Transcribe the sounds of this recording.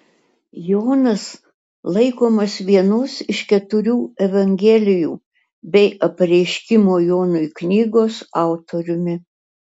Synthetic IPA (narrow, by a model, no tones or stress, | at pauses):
joːnɐs | lˠɐɪkoːmɐsʋʲiɛnʊsɪʃkʲɛt̪ʊɾʲuːɛʋɐŋʲɡʲɛlʲɪjuː | bʲɛɪʔɐpɐɾʲɛɪʃʲkʲɪmoːjoːnʊɪknʲiːɡoːsɑˑʊt̪oɾʲʊmʲɪ